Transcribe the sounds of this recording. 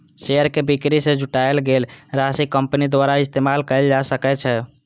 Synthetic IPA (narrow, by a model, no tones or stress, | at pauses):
ʃejəɾkebikɾisẽd͡ʒʱuʈaelɡelɾasikəmpnid̪ʋaɾaist̪emalkəɪld͡ʒasəkɛt͡ʃʰɛ